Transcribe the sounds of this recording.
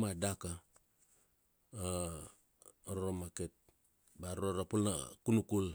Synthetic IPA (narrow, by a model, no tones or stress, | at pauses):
madaka | ɾɾomaket̪̚ | baɾoɾapulna̰kunukul